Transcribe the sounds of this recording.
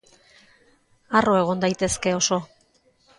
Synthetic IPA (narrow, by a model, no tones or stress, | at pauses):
aro̞e̞ɣ̞o̞nd̪ajt̪e̞ske̞o̞so̞